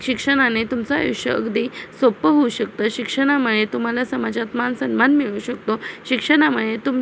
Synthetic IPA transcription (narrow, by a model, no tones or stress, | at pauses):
ɕikʂəɽ̃anet̪umt͡sajṵɕə̰ə̰ɡd̪isopəɦouɕək̚t̪əɕikʂəɽ̃amuɭet̪um̤alasəmad͡zat̪mansənmanmiɭuːɕək̚t̪oɕikʂəɽ̃aməɭet̪um